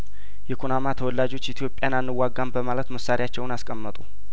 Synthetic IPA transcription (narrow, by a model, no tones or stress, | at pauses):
jɛkʰonamat̪ʰəwɔlːad͡ʒo̞t͡ʃːit̪ʰijo̞pʼːjananːɨwːaɡːambəmalət̪məsːaɾiat͡ʃːɛwnaskʼəmːət̪ʼu